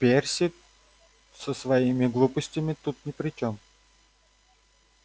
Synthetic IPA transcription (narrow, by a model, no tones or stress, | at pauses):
pʲɛɾsʲi | səsvɐimiɡlˠupʊsʲt̪ʲimɪt̪ut̪nɛpɾɪt͡ʃɔm